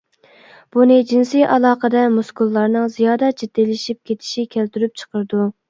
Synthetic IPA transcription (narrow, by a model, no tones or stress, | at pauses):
b̥unɨd͡ʒinsijʔɑlˠɑːqəd̪ɛmuskulˠːɑɾnɨŋzijɑːd̪ɑt͡ʃʰit̪ːelɪʃip̚kʲet̪ʰɪ̥ʃikʲʰælt̪yɾyp̚t͡ʃʰə̥qəɾd̪u